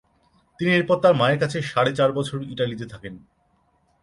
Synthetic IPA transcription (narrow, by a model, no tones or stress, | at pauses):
t̪inieɾpɔɾt̪ːaɾmaeɾkat͡ɕʰeʃaɽet͡ɕaɾbɔt͡ɕʰoɾiʈalit̪et̪ʰaken